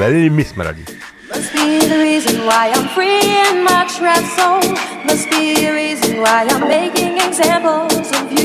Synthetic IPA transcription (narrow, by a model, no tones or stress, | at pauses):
ɛlɪlimɪsma̰ɾa̰dḭ | mʌsb̥iðɨɹizɨ̃nwaɪãɪ̃mpʰɹiɪmʌt͡ʃɹaɪtsoʊmʌsb̥iðɨɹizɨ̃nwaɪãɪ̃mmeɪkɪ̃ŋɨɡzæ̃mpl̩ˠzʌvj